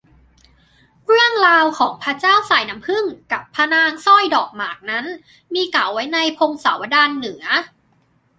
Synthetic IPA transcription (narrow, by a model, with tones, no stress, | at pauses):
kʰɾɯ˥˩əŋɾaː˧wkʰɔː˩˦ŋpʰa˧t͡ɕaː˥˩wsaː˨˩˦jna˦˥mpʰɯ˥˩ŋka˨˩pʰːa˧naː˧ŋsɔ˥˩jdɔː˨˩k̚maː˨˩k̚na˦˥n | miː˧ka˨˩˦wwa˦˥jna˧jpʰo˧ŋsa̰˩˦wa˧daː˧nːɯ˨˩˦ɐ